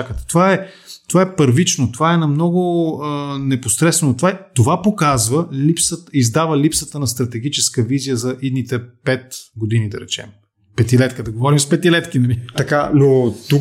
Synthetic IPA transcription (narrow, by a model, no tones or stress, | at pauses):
akət̪ɛ̥t̪ovaɛ | t̪ovaɛpəɾvit͡ʃnot̪ovaɛnɐmnɔɡʊənɛposɾɛsvɛnot̪ovat̪ovapokazvəlipsət̪izd̪avəlipsət̪ənɐst̪ɾɐt̪ɛɡit͡ʃɛskəvizijəzɐʔid̪nit̪ɛpɛt̪ɡod̪inid̪ɐ̰ɾɛt͡ʃɛ̰m | pɛt̪ilɛt̪kəd̪ɐɡovɔɾimspɛt̪ilɛt̪kinɐliɐkanot̪u